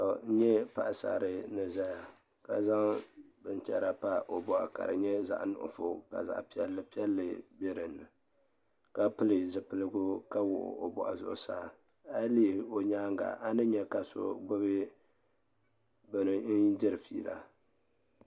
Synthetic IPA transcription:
to˨n̩˦ɲɛ˦pa˨ʔsa̰ː˨ɾɨ˦nɨ˨za˦ja˨ | ka˨za˦ŋbɨ˨n˨t͡ʃɛ˦ɾa˨pa˦ʔo˨bɔ˨ʔa̰˨ka̰˨ɾɨ˨ɲɛ˦za̰˨ʔnʊ̰˨ʔʊ̰˨fʊ˦ka̰˨za̰˨ʔpi˦ɛ˦lːɨ˦pi˦ɛ˦lːɨ˨bɛ˦ɾɨ˨nɨ˨ | ka˦pɨ˦lɨ˨zɨ˨pɨ˨lɨ˦ɡʊ˦ka˦wʊ˨ʔʊ̰˨ʔo˨bɔ̰˨ʔa̰˨zʊ̰˦˨ʔʊ˦saː˦˨ | a˦li˦˨o˨ɲaː˦ŋɡa̰˨ʔa˦nɨ˦ɲɛ˦ka˨so̰˦ɡo˦bɨ˦ | bɨ˨nɨ˨n̩˦dɪ˦ɾɨ˨fḭː˦la̰˨

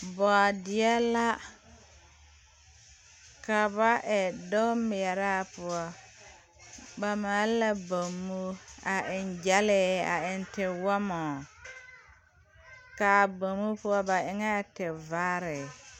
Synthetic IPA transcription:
bɔ˨a˨dɪ˨ɛ˦la˦ | ka˨βa˦ʔɛ˨dɔ˦mɪ˨ɛ˨ɾa˦˨pʊ˨ɔ˦ | ba˨ma˨˦la˦bo˨mːu˦a˨ʔɪ˨nd͡ʒa˦lɛ˨a̰˨ɪ˨ntɪ˨wɔ˦mɔ˨ | kaː˨bo˨mu˦pʊ˦ɔ˦ba˨ɪ˨ŋɛ˦˨tɪ˨va˦ɾɪ˨

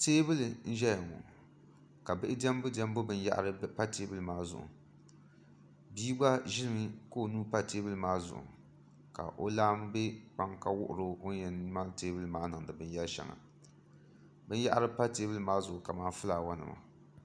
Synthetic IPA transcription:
teː˦bɨ˦lɨ˨n̩˦ʒɛ˦ja˨ŋɔ̰˨ | ka˨bɨ˦ʔɪ˦dɛ˦m˦bʊ˦dɛ˦m˦bʊ˦bɨ˦nja̰˦ʔɾɨ˦pa˦teː˦bɨ˦lɨ˨maː˦zʊ̰˨ʔʊ̰˨ | biː˦ɡ͡ba˦ʒɪ˦lɨ˨mɨ˦ko˦˨nuː˦pa˦˨teː˦bɨ˦lɨ˨maː˦zʊ̰˨ʔʊ̰˨ | ka̰˨ʔo˦laː˦m˦be˦k͡pa˦ŋka˦wʊ˦ʔʊ˨ɾo˦o˦ɲɛ˨n˦ma˦lteː˦bɨ˦lɨ˨maː˦nɨ˨ŋdɨ˨bɨ˦n˦jɛ˦lʃɛ̰˨ŋa̰˨ | bɨ˦n˦ja˦ʔa˦ɾɨ˦pa˦teː˦bɨ˦lɨ˨maː˦zʊ˨ʔʊ˨ka˨maː˦fɨ˦laː˨wa˦nɨ̰˨ma̰˨

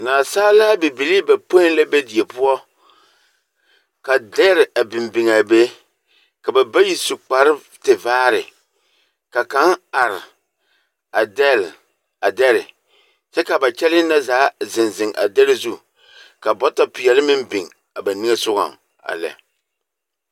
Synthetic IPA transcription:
naː˨saː˦la˦bi˨bi˨li˦ba˨po˦ɪ˦nla˦be˦di˨e˨pʊ˦ɔ˦ | ka˨dɛ˦ɾɪ˨ʔa˨bɪ˨mbɪ˨ŋa˨be˦ | ka˨ba˨ba˦ji˦sʊ˨k͡pa˨ɾɪ˦ | tɪ˨vaː˦ɾɪ˨ | ka˨ka˨˦na˨ɾɪ˨ | a˨dɛ˦l | a˨dɛ˦lɪ˨ | t͡ʃɛ˦ka˨ba˨t͡ʃɛ˦lɪ˦na˦zaː˨˦zɪ˨nzɪ˨ŋʔa̰˨dɛ˦lɪ˦zu˦ | ka˨bɔ˦ta˦pɪ˨jɛ˨lɪ˦mɪ˦mbɪ˨ŋ | a˨ba˨nɪ˦ŋe˦sʊ˦ɡa̰˨ŋ | a̰˨lɛ̰˨

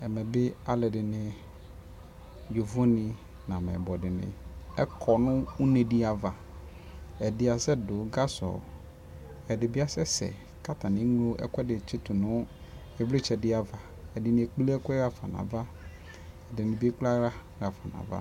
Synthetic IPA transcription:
ɛ˨mɛ̃˨bɪ˦a˦lɛ˨dɪ˨nɪ̃˨ | jo˨vo˦nɪ̃˨ | nã˨mɛ̰˨bɔ˨dɪ˨nɪ̰̃˨ɛ̰˦kʰɔ˨nʊ̃˦u˦ne˨dɪ˨a˨va˨ | ɛ˨dɪ˨˦a˨sɛ˦dʊ˨˦ɡa˦sɔ̰˨ | ɛ˨dɪ˨bi˦a˨sɛ˦sɛ̰˨ | ka˦t̪ʰa˨nɪ̃˨˦ŋ˦lo˦ʔɛ̰˦kʷɛ˦dɪ˨t͡ʃɪ˦tʊ˨nʊ̃˦ | ɛ˨vlɪ˦t͡ʃʰɛ˨dɪ˦a˨va˨ | ɛ˨dɪ˨nɪ̃˨ɛ˨k͡pi˦li˦ɛ˦kɛ˦ɣa˨fa̰˨nã̰˨va˦ | ɛ˨dɪ˨nɪ̃˨bi˦e˦k͡pla˦ɾa˦ | ɣa˨fa˨nã̰˨va̰˦

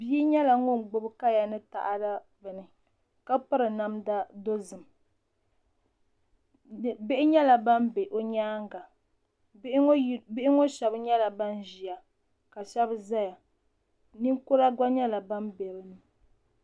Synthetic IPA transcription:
bi˦i˦ɲɛ˦la˨ŋo˦ŋ˨ɡ͡bʊ˦bɨ˦ka˦ja˨nɨ˦ta̰˨ʔa˦da˦ | vɨ˨nɨ˨ | ka˦pɨ˦ɾɨ˨na˦mda˦do˦zɨ˨m˨ | be˦ʔɪ˦ɲɛ˦la˨ba˦mbe˨ʔo˨ɲaː˦ŋɡa˨˦ | bɪ˦ʔɪ˦ŋo˦ʃɛ˨bɨ˦ɲɛ˦la˨ba˦n˦ʒi˨a˨ | ka˨ʃɛ˦bɨ˦za˦ja˨ | ni˦ŋkʊ˦ɾa˦ɡʷa˦ɲɛ˦la˨ba˦mbɛ˨bɨ˦nɨ˨

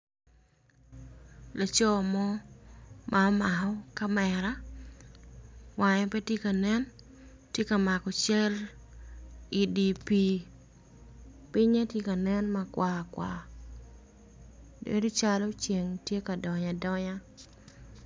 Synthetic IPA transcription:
la˨t͡ʃɔ˦˨mɔ˦ | mʔa˨ɔ˦ma˨hɔ˦ka˦mɛ˨ɾa˦ | wa˨ɲɔ˦pe˦tje˦ka˨nɛ˦n | tje˦ka˨ma˨kɔ˨t͡ʃɛ˦l | i˨di˨pi˦ | pɪ˦ɲe˦tje˦ka˨nɛ˦nma˨kwa˨kwa̰˨ | dḛ˨do˦t͡ʃa˦lɔ˦t͡ʃe˨ŋtje˦ka˨dɔ˨ɲa˨dɔ˦ɲa˦

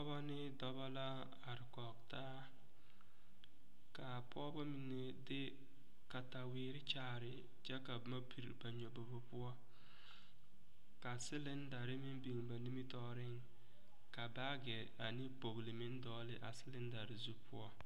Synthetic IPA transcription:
pɔ˦ba˦nɪ˦dɔ˦ba˦la˦ | a˨ɾɪ˨kɔ˨ɡta˦ | ka˨pʰɔ˦bɔ˦mi˨ne˦dɪ˦ | ka˨ta˨wɪː˨˦ɾɪ˦t͡ʃaː˦˨ɾɪ˨ | d͡ʒɛ˦ka˨ma˦pʰi˨ɾba˨ɲo˨bo˨bo˦pʊ˦ɔ˦ | ka˨sɪ˦lɪ˦n˦da˨ɾɪ˦mɪ˦n˦bi˨ŋba˨ni˦mi˦tɔː˦ɾɪ˦ŋ | ka˨ba˦ɡɛ˨ | a˨nɪ˦po˨ɡlɪ˨mɪ˦n˦dɔː˦lɪ˦ʔa˨sɪ˦lɪ˦n˦da˨ɾɪ˨zu˦pʰʊ̰˦ɔ˦

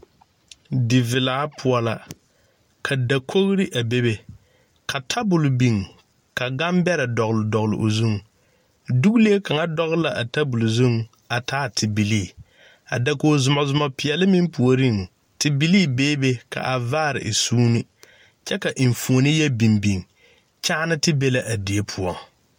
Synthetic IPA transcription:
dɪ˨vɪ˨laː˨˦pʰʊ˨ɔ˦la˨ | kʰa˨da˨kʰo˦ɣɾi˦ʔa˨be˦be˨ | kʰa˨tʰa˦bʊ˨lbi˨ŋ˨ | ka˨ɡa˦mbɛ˦ɾa˨dɔ˨ɣʊ˨lɨ˨dɔ˨ɣlɪ̰˨ʔo˨zu˦ŋ˨ | du˦ɡle˦ka˨ŋa˦dɔ˦ɣla˨ʔa˨ta˦bʊ˨lzu˦ŋ | a˨tʰaː˦tʰɪ˨bi˨liː˦˨ | a̰˨da˨ko˨zʊ˨ma˨zʊ˨ma˨pɪ˨jɛ˨lɨ˦mi˦mpu˨o˨ɾi˦˨ŋ˨ | tɪ˨bi˨˦liː˦˨beː˦be˦ka̰˨ʔa˨vaː˦˨ɾɪ̰˨ʔɪ˨suː˦ni˦ | t͡ʃɛ˦ka˨ʔi˨ɱ˨fu˨o˨nɪ˦jɛ˦bi˨mbi˨ŋ˨ | t͡ʃa˦nɨ˦tɪ˦be˦la˨ʔa˨di˨e˦pʰʊ˨ɔ˨

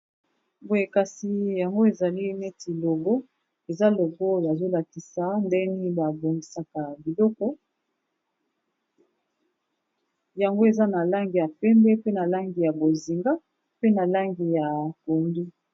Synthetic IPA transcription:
bo˨e˨ka˨si˨ja˨ŋɡo˦e˨za˨li˦ne˦ti˨lo˨ɡɔ˦ | e˨za˦lo˨ɡɔ˦ja˨zo˦la˨ki˨sa˨ndɛ˦ni˦ba˨bo˨ŋɡi˨sa˨ka˨bi˨lɔ˦kɔ˦ | ja˨ŋɡo˦e˨za˦na˨la˦ŋɡi˨ja˨pɛ˦mbɛ˦pe˦na˨la˦ŋɡi˨ja˨bo˨zi˨ŋɡa˦ | pe˦na˨la˦ŋɡi˨ja˨ko˨ndu˦

